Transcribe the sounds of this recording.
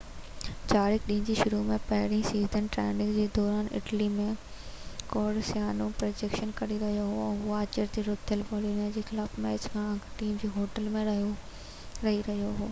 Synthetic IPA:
t͡ɕaːɾɪkɗĩːnd͡ʑiːʃʊɾumẽpɐɦɪɾĩsiːzənʈɾɛ̰ːnɪkd͡ʑeːd̪ɔːɾaːnɪ̰ʈlimẽ | koːɽsjaːnũpɾɐd͡ʑeːkʃənkɐɽiɾɐɦijoɦoɛ̃ːɦʊaːt͡ɕəɾd͡ʑeːɾʊt̪ʰːəlpɔːlimẽd͡ʑeːxɪlaːfmɛːt͡ɕkʰãɐ̃ŋɡʈiːmd͡ʑeːɦoːʈəlmẽɾɐɦijo | ɾɐɦiɾɐɦijoɦoː

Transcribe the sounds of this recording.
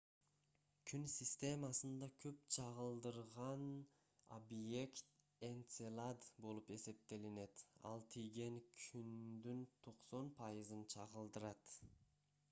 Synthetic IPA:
kʲʰynsʲisʲt̪ʲe̞masɯnd̪ɑkʲʰøp̚t͡ʃʰɑʁɯlˠd̪ɯɾʁɑn | obje̞kt̪ | e̞nt̪selˠad̪bo̞lˠupe̞se̞p̚t̪e̞line̞t̪ɑ̰lˠt̪ʰijɡe̞ŋkʰynd̪ynt̪ʰo̞qso̞npʰɑjɯzɯnt͡ʃʰɑʁɯlˠd̪ɯɾɑt̪

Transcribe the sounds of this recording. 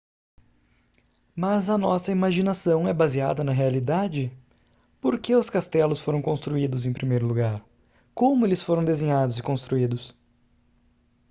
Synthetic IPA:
mɐzɐnɔsɐimaʒinasɐ̃w̃ɛbazia̰d̪ɐnɐɦealid̪ad͡ʒɪ | poɾkeʊskast̪ɛlʊsfoɾɐ̃w̃kõst̪ɾuid̪ʊzẽpɾimejɾʊluɡaɾ | kõmʊelɪsfoɾɐ̃w̃d̪ezẽɲad̪ʊzɪkõst̪ɾuid̪ʊs

